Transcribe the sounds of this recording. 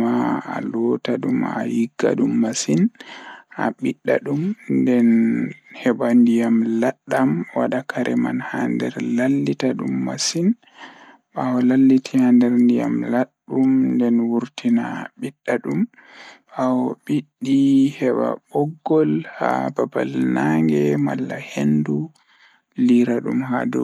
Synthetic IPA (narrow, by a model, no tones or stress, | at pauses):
aa̰lɔtaɗuma̰jiɡːa̰ɗumːasinʔa̰ɓiɗːa̰ɗumndɛnhɛbandijamlaɗːamwa̰ɗakʰaɾʔɛma̰nhandɛ̰ɾlalːitaɗṵmːa̰sin | ɓahɔlalːitʰihandɛɾndija̰mlaɗːumndɛnwuɾtinaɓiɗːaɗum | ɓawɔɓiɗːihɛɓa̰ɓɔɡːɔlha̰baba̰lnaŋɡɛma̰lːahendu | liɾaɗumɦa̰dɔ̰